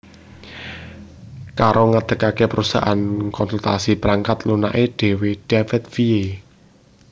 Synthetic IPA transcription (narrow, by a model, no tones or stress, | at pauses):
kaɾoŋad̪̥ə̤kakepəɾusa̰ʔankɔnsult̪asib̥əɾaŋkat̪luna̰ʔeɖ̥e̤weɖ̥ɛfɛt̪̚fie